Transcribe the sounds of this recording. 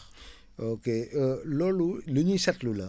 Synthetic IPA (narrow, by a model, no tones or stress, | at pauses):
okeloluluɲisɐtlula